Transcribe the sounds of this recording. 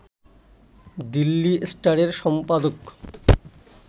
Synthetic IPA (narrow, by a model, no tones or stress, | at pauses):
d̪ilːisʈaɾeɾʃɔmpad̪ok